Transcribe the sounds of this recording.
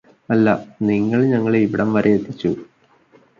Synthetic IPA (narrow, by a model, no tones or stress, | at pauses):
ɐlːɐniŋːɐɭɲɐŋːɐɭeiʋiɽɐmʋɐɾeet̪ːit͡ɕːu